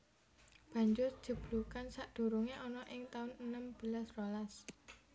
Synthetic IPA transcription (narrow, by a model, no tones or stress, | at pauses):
b̥ä̤ɲd͡ʒʊrd̥ʒ̥ə̤b̥lukansaʔd̪̥o̤ɾuŋeʔɔnɔʔɪŋt̪aʊnənəmb̥ə̤lasrolas